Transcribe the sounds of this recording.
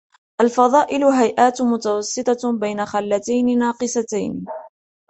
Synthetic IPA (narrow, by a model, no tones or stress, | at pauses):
ʔalfɑðˤɑːʔɪlʊɦajʔaːt̪mʊt̪awɑsˤːɨt̪ˤɑbajnaxalːat̪ajnɪnɑːqɨsat̪a̰jn